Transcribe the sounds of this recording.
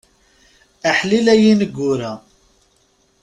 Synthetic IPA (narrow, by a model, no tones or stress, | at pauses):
əħlilæjinəɡʷːʊɾæ